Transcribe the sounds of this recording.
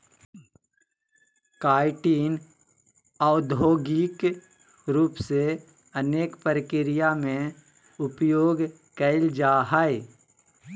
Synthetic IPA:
kaːɪʈiːn | ad̪ʱoːɡik | ɾuːpse | əneːkpəɾəkɪɾɪjamẽ | ʊpjoːɡ | kəɪld͡ʒaːɦaːe

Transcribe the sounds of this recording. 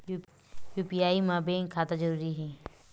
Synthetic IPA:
juːpijaːimãːbeːŋkʰaːt̪ad͡ʒəɾuːɾiɦɛː

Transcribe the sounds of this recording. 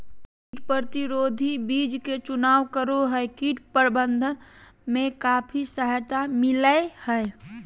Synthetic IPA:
kkiʈpɾət̪iɾoːd̪ʱibiːd͡ʒket͡ʃʊnaːwkəɾoɦəekiʈpəɾbənd̪ʱən | mẽkaːpʰisəɦət̪amɪləehəe

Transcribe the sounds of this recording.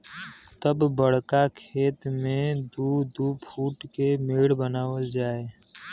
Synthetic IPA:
t̪əbːəɽkakʰeːt̪mẽd̪ud̪upʰuːʈkemeːɽbənaːwəld͡ʒaːe

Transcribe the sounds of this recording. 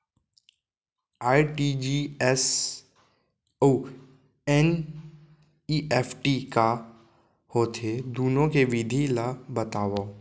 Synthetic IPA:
aːiʈiːd͡ʒiːɛs | o | ɛn | iːʔɛːpʈika | hoːt̪ʰed̪uːnõkeʋɪd̪ʱilabɐt̪aːʋaː

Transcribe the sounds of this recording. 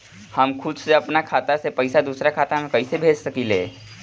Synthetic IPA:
həmkʰʊd̪seəpnakʰaːt̪asepəɪsad̪usɾakʰaːt̪amẽkəɪsebʱeːd͡ʒsəkileː

